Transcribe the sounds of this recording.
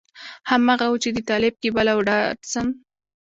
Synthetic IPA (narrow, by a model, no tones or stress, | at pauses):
hamɑɣawət͡ʃed̪ət̪ɑlɪb̚kebalawɖɑɖsəm